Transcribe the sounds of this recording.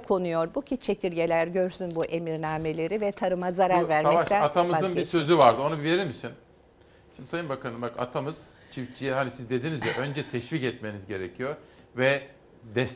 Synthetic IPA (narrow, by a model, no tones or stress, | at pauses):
kʰo̞nujo̞ɾbucʰit͡ʃʰe̞t̪ʰiɾɟe̞lʲæɾɟøɾsynbuʔe̞miɾnaːme̞lʲe̞ɾivɛt̪ʰaɾɯmazaɾaɾvæɾmaɛvaʃæat̪ʰamɯzɯnbisø̞zyvaɾd̪ɯo̞nubileɾilmisin | ʃimd̪isajɯnbakʰanɯmbaka̰t̪ʰamɯz̥ | t͡ʃʰift͡ʃʰijɛɦanisizd̪e̞d̪inizjɛʔø̞nd͡ʒɛt̪ʰɛʃvicɛt̪me̞nizɟe̞ɾecʰijo | vɛ | d̪ɛs